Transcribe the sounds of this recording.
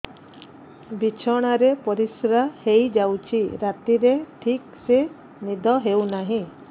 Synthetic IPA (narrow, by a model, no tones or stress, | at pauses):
bit͡ʃʰɔɽ̃aɾepɔɾisɾahejd͡ʒawt͡ʃʰiɾat̪iɾeʈʰikse | nid̪ʱɔɦewnaɦĩ